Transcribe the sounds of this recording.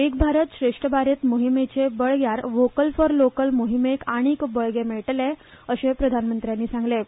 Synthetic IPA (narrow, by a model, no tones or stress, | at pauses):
ek̚bʱaɾət̪ɕɾeʂʈəbaɾet̪moɦimet͡sebəɭɡjaɾʋokəlfəɾlokəlmoɦimekaɽ̃ikbəɭɡemeɭʈle | əɕepɾəd̪ʱanmənt̪ɾjanːiːsãŋɡle